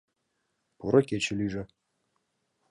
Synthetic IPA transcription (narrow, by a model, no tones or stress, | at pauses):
puɾɤ̆kʲet͡ɕɘ̆lʲyʐɘ̆